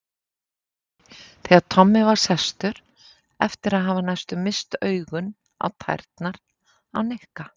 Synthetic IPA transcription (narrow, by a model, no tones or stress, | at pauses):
θɛaðt̪ʰɔmːɪvaɾ̥sɛst̪ʏɾ̥ | ɛft̪ɪɾaðɦavanajst̪ʏmɪst̪œːɥɣʏn | a̰wt̪ʰa̰jɾ̥t̪naɾ̥ | a̰wnɪhka